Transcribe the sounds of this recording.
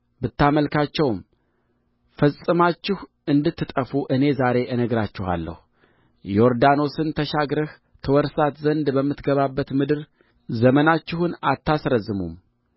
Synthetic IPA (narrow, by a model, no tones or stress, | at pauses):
bɨt̪ːaməlkʰat͡ʃːɛwm | fəsʼɨmat͡ʃːɪh | ɨnd̪ɨt̪ːɨt̪ʼəfuʔɨne̞zaɾe̞ʔɨnəɡɾat͡ʃːɪha̰lːə̰hu | jɛoɾd̪ano̞sɨnt̪ʰəʃaɡɾɨh | t̪ʰɨwɔɾsat̪zənd̪bəmːɨt̪ɡəβabːət̪mɨd̪ɨɾ | zəmənat͡ʃːɪhunat̪ʰːasɾəzːɨmṵm